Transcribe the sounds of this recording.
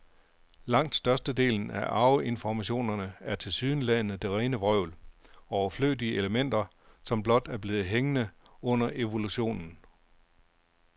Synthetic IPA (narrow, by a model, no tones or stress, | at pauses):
lɑ̈ŋ̰d̥sd̥ɶɐsd̥əde̝̰ːln̩æʔɑ̈ʊe̝nfɒmæɕo̝̰ːnɐnəæɐt͡sʰe̝lsyːðˠnəlæɪnð̩ˠd̥e̝ʁɛːnəʋʁœʊ̰lɒʊɐflø̰ːdiəʔeləmen̰d̥ɐ | sɒ̽mblɒ̽d̥æɐb̥le̝ːð̞̩ˠɦeŋənə | ɔ̽n̰ɐʔe̝ʋo̝luɕo̝̰ːnn̩